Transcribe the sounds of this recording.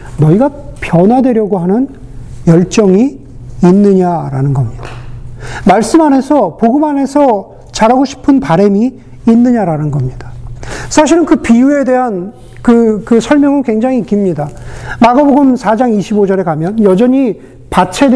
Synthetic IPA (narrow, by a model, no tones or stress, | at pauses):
nʌiɡapjʌnwadwe̞ɾjʌɡoɦanɯn | jʌɭt͡ɕ͈ʌŋiː | nːɯɲaɾanɯnɡʌmɲidamaɭs͈ɯmɦane̞sʰʌpoɡɯmane̞sʰʌ | t͡ɕaɾaɡoɕʰi̥pʰɯnpaɾe̞miː | nːɯɲaɾanɯnɡʌmɲid̥ḁsʰaɕ̬ʰiɾɯnkɯpijue̞de̞ɦan | kɯkɯsʰʌɭmjʌŋɯnkwe̞ŋd͡ʑaŋiik͈imɲidamaɡaboɡɯmsʰad͡ʑaŋiɕʰibod͡ʑʌɾe̞kamjʌnjʌd͡ʑʌɲi | pat͡ɕʰed